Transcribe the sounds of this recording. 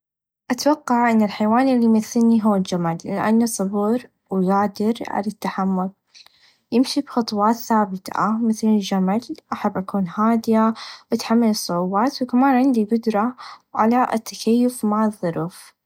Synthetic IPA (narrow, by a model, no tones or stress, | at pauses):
ʔat̪wɑqːɑʕʔɪnːɪlħajwaːnlːimɪθːɪlniɦʊwːald͡ʒamalːɪʔa̰nːusˤɑbʊɾ | wɡaːd̪ɪɾʕa̰lat̪ːaħamːʊl | jɪmʃibxɑt̪ˤwɑːt̪θaːbɪt̪ʰa̰mɪθlɪld͡ʒamalʔaħabːʔakuːnhaːd̪ɪjaʔɪt̪ħamːalɨsˤːʊʕuːbaːt̪wkamaːnʕɪnd̪iɡʊd̪ɾˤɑʕa̰laʔɪ̰t̪ʰːḁkajːʊfmaʕɑðˤːʊɾuf